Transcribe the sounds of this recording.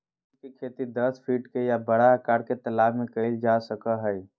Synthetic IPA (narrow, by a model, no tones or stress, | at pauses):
kekʰet̪id̪əspʰiʈkejabəɽaɦəkaːɾket̪əlaːbmẽkəld͡ʒasəkəɦəj